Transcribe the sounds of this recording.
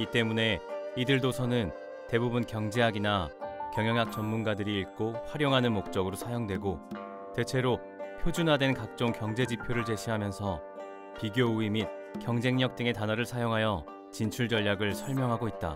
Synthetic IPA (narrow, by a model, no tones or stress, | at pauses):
it͈e̞mune̞idɯɭdosʰʌnɯn | te̞bubunkjʌŋd͡ʑeɦaɡinakjʌŋjʌŋjak̚t͡ɕ͈ʌnmunɡadɯɾiːɭk͈oɸwaɾjoŋɦanɯnmok̚t͡ɕ͈ʌɡɯɾosʰajoŋdwe̞ɡo | te̞t͡ɕʰe̞ɾo | pʰjod͡ʑunɦadwe̞nkak̚t͡ɕ͈oŋkjʌŋd͡ʑe̞d͡ʑipʰjoɾɯɭt͡ɕe̞ɕʰiɦamjʌnsʰʌ | piɡjouimit̚ | kjʌŋd͡ʑe̞ŋɲʌk̚t͈ɯŋe̞tanʌɾɯɭsʰajoŋɦajʌ | t͡ɕint͡ɕʰuɭd͡ʑʌʎːjaɡɯɭsʰʌɭmjʌŋɦaɡoit̚t͈a̰